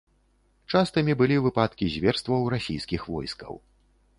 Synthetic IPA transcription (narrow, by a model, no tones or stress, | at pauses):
t͡ʂast̪ɐmʲibɨlʲivɨpat̪kʲizʲvʲɛrst̪vɐwɾasʲḭjskʲixvɔ̰jskɐ̰w